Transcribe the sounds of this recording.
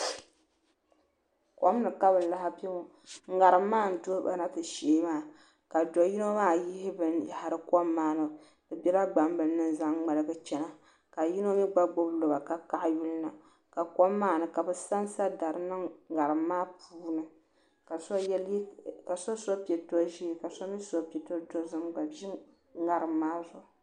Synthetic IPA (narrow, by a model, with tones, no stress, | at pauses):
kɔ˦m˦nɨ˨ka˦bɨ˨la˦ha˦pɛ˦o˦ | ŋ̩˦ɡa˨ɾɨ˨mː˦aː˦˨n̩˨to˦ba̰˨na˦tɨ˨ʃeː˨˦maː˦˨ | ka˨dɔ˨ji˦no˦maː˦˨ji˦hɪ˦bɨ˦nja˨ha˨ɾɨ˦kɔ˦mːaː˦nɨ˨ | b̥ɨ˨bʲɛ˦ɾa˦ɡ͡ba˨mbɨ˨nː˦ɨ˦n˨za˦ŋŋ͡ma˨lɨ˦ɡɨ˦t͡ʃɛ˦na˨ | ka˨ji˦no˦mi˦ɡ͡ba˦ɡ͡bo˦blo˨ba˨ka˨ka˨ʔju˦lna˨ | ka˨kɔ˦mːaː˦nɨ˨ka˨bɨ˨sa˦nsa˦da˨ɾɨ˨nɨ˦ɡa˨ɾɨ˨mːaː˦pʰuː˦nɨ˨ | ka˨ska˨so˦so˦pɛ˨to˦ʒi˦ka˨so˦mi˦so˦pɛ˨to˦do˦zɨ˦mba˨bi˦ | ŋa˨ɾɨ˨mːaː˦zʊ˨